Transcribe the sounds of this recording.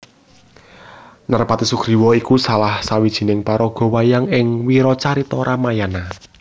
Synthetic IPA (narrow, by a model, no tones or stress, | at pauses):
narpat̪isuɡ̥ɾi̤wɔikusalahsawid̥ʒ̥i̤nɪŋpaɾɔɡ̥ɔ̤wajaŋɪŋwiɾɔt͡ʃaɾit̪ɔɾʔamajana